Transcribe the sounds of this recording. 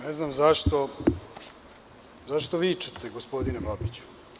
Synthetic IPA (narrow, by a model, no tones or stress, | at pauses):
neznamzaʃt̪o̞ | zaʃt̪oʋiːt͡ʃe̥t̪eɡospo̞d̪inebabit͡ɕu̥